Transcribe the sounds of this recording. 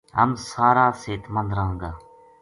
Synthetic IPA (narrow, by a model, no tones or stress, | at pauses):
ɦə̰msaːɾaːseːt̪mənd̪ɾaːɦə̃nd̪aː